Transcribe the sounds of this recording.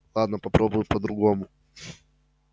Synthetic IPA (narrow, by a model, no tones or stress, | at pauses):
lˠad̪nəpɐpɾobʊjpəd̪ɾʊɡomʊ